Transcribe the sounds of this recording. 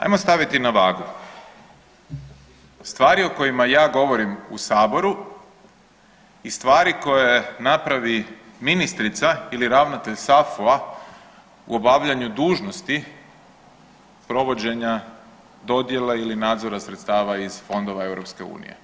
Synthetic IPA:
a̰jmo̞st̪aʋit̪inaʋaːɡu | st̪ʋaːɾio̞ko̞jimajaːɡo̞ʋo̞ɾimusaːbo̞ɾu | ist̪ʋaːɾiko̞jenapɾaʋi | minist̪ɾit̪sailiɾaʋnat̪e̞ʎsafua | ṵobaʋʎaɲud̪uːʒnost̪i | pɾo̞ʋo̞d͡ʑe̞ɲa | d̪o̞d̪je̞leilinaːd̪zo̞ɾasɾet̪st̪aːʋaiz̥fo̞nd̪o̞ʋae̞ʋɾo̞pske̞ṵːnḭje̞̰

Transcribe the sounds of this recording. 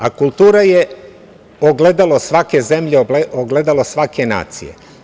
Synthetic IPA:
akulˠt̪uːɾaje | oɡle̞d̪alosʋake̞ze̞mʎeoɡle̞d̪alosʋakena̰ːt̪sḭjḛ

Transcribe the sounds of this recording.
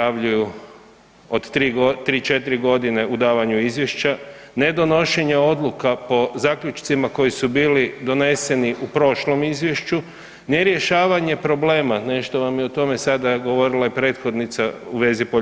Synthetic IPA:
aʋʎuju | od̪t̪ɾiːɡot̪ɾiːt͡ʃe̞t̪iɾiɡo̞d̪ine̞ud̪aːʋaɲuizʋje̞ʃt͡ʃane̞d̪o̞no̞ʃe̞ɲeo̞d̪lˠukapo̞zaːkʎut͡ʃt̪simako̞jisubiːlid̪o̞ne̞se̞niʔupɾo̞ʃlo̞mizʋje̞ʃt͡ʃu | neɾje̞ʃaːʋaɲe̞pɾo̞ble̞ːmane̞ʃt̪o̞ʋamjeot̪o̞me̞sad̪aɡo̞ʋo̞ɾilˠaipɾe̞ːt̪xo̞d̪nit̪sauʋe̞zipo

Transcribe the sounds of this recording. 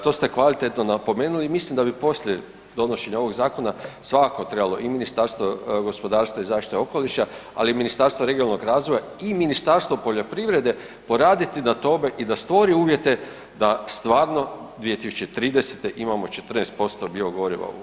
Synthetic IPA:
t̪o̞st̪e̞kʋalit̪e̞t̪no̞napo̞me̞ːnulimislimd̪abipo̞sʎʲje | d̪o̞no̞ʃe̞ɲao̞ʋo̞ɡzaːko̞nasʋakako̞t̪ɾbalo̞ʔiminist̪aɾst̪ʋoɡo̞spo̞d̪aːɾst̪ʋaizaːʃt̪i̥t̪o̞ko̞liʃaa̰liminist̪aɾst̪ʋoɾeɡinalno̞ɡɾaːzʋoja | iminist̪aɾst̪ʋopo̞ʎo̞pɾiʋɾe̞d̪e̞ | po̞ɾaːd̪it̪inat̪o̞me̞ʔid̪ast̪ʋo̞ɾiuːʋje̞t̪e̞ | d̪ast̪ʋaːɾno̞d̪ʋije̞t̪isu̥t͡ʃe̞t̪ɾiːd̪eset̪e̞ʔimamo̞t͡ʃet̪rneːst̪̚po̞st̪o̞bioɡo̞ɾiʋa̰ṵ

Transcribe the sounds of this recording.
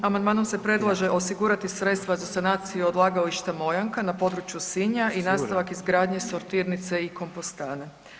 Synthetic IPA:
amand̪maːno̞mse̞pɾe̞d̪lˠaʒe̞ʔo̞siɡuɾat̪isɾe̞t̪st̪ʋazasanaːt̪sijuod̪lˠaːɡaliʃt̪amo̞jaŋkanapo̞d̪ɾut͡ʃjusiɲaʔinaːst̪aʋakizɡɾaːd̪ɲe̞so̞ɾt̪iːɾnit̪se̞iko̞mpost̪aːne

